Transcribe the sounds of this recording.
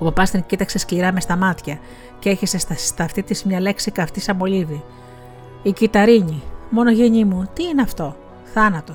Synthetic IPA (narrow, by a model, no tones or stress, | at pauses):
opɐpɐst̪iŋcit̪ɐkse̞skliɾɐme̞st̪ɐmɐt̪çɐ | cee̞çese̞st̪ɐt̪ɐft̪it̪izmɲɐle̞ksikɐft̪isɐbo̞liði | icit̪ɐɾiɲimo̞no̞ʝeɲimut̪iineɐft̪o̞ | θɐnɐt̪o̞